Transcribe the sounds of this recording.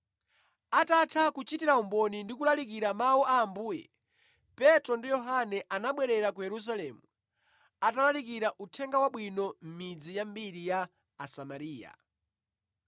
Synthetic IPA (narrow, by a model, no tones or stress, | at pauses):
atatʰakut͡ʃitiɾaumbɔnindikulalikiɾamauʔaːmbuːjɛ̰ | pɛtɾɔndijɔɦanɛʔanaɓwɛɾɛɾakujɛɾus̬alɛːmu | atalalikiɾaʔutʰɛŋɡawaɓwinɔm̩mid͡zijambiɾijaː | samaɾiːja̰